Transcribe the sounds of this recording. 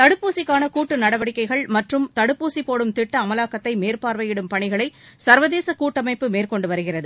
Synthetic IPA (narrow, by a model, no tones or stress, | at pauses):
t̪ɐɽɯpːuːsɪkːaːnɐkuːʈːɯnɐɽɐʋɐɽɪkːɐɪɣɐɭmɐʈrɯmt̪ɐɽɯpːuːsipːoːɽɯmt̪ɪʈːɐːmɐlaːkːɐt̪ːɐɪmeːrpaːɾʋɐjɪɽɯmpɐɳɪɣɐɭɐɪ | sɐɾʋɐðeːsɐkuːʈːɐmɐɪpːɯmeːrkɔɳɖɯʋɐɾɯɣɪrɐðɯ